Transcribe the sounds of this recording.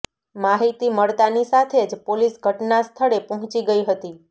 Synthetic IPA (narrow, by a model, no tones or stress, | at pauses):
maɦit̪iməɭt̪anisat̪ʰed͡ʒpolisɡʱəʈnast̪ʰəɭepəɦt͡ʃiɡəiɦət̪i